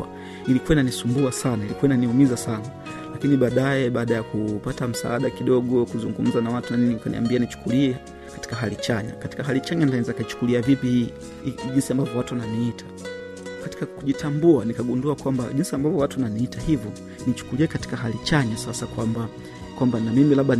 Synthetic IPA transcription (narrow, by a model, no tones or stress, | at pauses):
ilikuainanisumbuasanailikuainaniumizasana | lakiniɓaːɗaɛɓaːɗajakupatam̩sa̰aɗakiɗɔɠɔkuzuŋɡum̩zanawatunaniɲiukanḭa̰mbianit͡ʃu̥kuliɛ | kḁti̥kaɦalit͡ʃaɲa̰kati̥kaɦalit͡ʃaɲandaɛɛzakat͡ʃu̥kuliavipihiː | ʄinsiambavɔwatuwananiitʰḁ | kati̥kakuʄitʰambuanikaɡunduakwamba̰ʄinsiambavɔwatuananiitahivjɔ | nit͡ʃu̥kuliɛkati̥kaɦalit͡ʃaɲasasakwamba | kwambanamimilaɓa